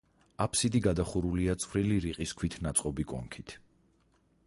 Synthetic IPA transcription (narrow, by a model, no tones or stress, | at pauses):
apʰsid̪iɡad̪aχuɾuliat̪sʼχwɾiliɾiqʼiskʰwit̪ʰnat̪sʼqʼɔbikʼɔ̰ŋkʰit̪ʰ